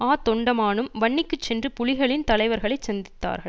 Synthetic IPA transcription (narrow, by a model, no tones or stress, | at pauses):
aːt̪ɔɳɖɐmaːnɯmʋɐɳːɪkːɯt͡ʃsɛndrɯpʊɻɪɣɐɭɪnt̪ɐlɐɪʋɐɾɣɐɭɐɪsɐnd̪ɪt̪ːa̰ːɾɣɐɭ